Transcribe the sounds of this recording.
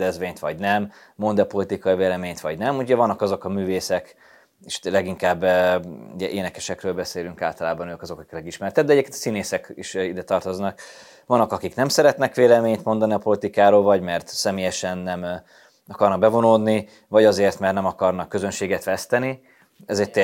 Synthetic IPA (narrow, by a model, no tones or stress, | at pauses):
d̪ɛzvʋeːɲt̪ʋɒɟnɛmː | ond̪ɛpo̞lit̪ikɒiveːlɛmeːɲt̪ʋɒɟnɛmuuɟɛvɒnːɒkɒzo̞kɒmyːveːsɛk | eʃlɛɡiŋkaːb | ṵɟɛʔeːnɛkɛʃɛkrøːlbɛseːlyŋkaːlt̪ɒlaːbɒnøːkɒzo̞kɒki̥klɛɡiʃmɛɾt̪ɛd̪d̪ɛɟɛep̚kenɒsineːsɛkḭʃid̪ɛt̪ɒrt̪oznɒk | vɒnːɒkɒkiknɛmsɛɾɛt̪nɛkʋeːlɛmeːɲt̪mo̞nd̪ɒniɒpo̞lit̪ikaːɾoːlvɒɟmɛrt̪sɛmeːjɛʃɛnːɛm | ɒkɒrnɒɡ̚bɛvo̞noːd̪ni | vɒɟɒzeːrt̪mɛrtnɛmɒkɒrnɒkːøzønʃeːɡɛt̪ʋɛst̪ɛni | ɛzɛct̪ɛ